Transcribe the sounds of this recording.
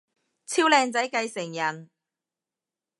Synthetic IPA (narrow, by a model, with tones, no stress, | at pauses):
t͡sʰiː˥wlɛː˧ŋt͡sɐ˨˥jkɐ˧jsɪ˨˩ŋjɐ˨˩n